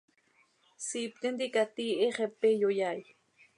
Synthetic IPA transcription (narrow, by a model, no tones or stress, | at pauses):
siːp̚t̪end̪ikat̪ieχepejojaj